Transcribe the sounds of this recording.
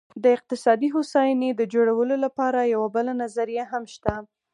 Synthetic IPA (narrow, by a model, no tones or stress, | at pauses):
d̪əɪq̚t̪ɪsɑd̪iɦosɑjned̪əd͡ʒoɽawəlolapɑɾajawabəlanazaɾijaɦamʃt̪a